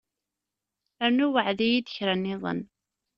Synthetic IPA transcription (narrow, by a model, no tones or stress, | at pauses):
ænuwəʕðæjid̪əçɾænːɪðˤə̰n